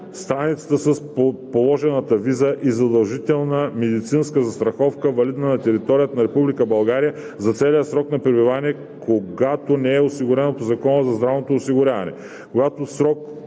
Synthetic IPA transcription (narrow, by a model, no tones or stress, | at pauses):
st̪ɾanit̪sə̥t̪əsɐspolˠɔʒɛnət̪ɐvizəʔizɐd̪ɐlˠʒit̪ɛlˠnəmɛd̪it̪sinskəzɐst̪ɾɐxɔfkəvɐlid̪nənɐt̪ɛɾit̪ɔɾijət̪nɐɾɛpublikəbɐlˠɡaɾijə | zɐt̪sɛlijəsɾɔknɐpɾɛbivaniɛ | kʰoɡat̪onɛɛosiɡʊɾɛnot̪ozɐkɔnəzɐzd̪ɾavnot̪oːsiɡʊɾʲavɐ̰nɛ̰ | koɡat̪osɾɔk̚